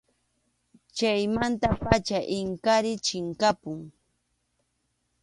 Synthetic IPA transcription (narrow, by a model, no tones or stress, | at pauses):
t͡ʃajmant̪apat͡ʃaʔɪŋkaɾɪt͡ʃɪŋkapʊŋ